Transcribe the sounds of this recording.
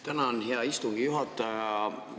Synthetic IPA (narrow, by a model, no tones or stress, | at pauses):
t̪ænɑonɦeɑist̪uŋɡ̥ijuɦɑt̪ːˑɑjɑ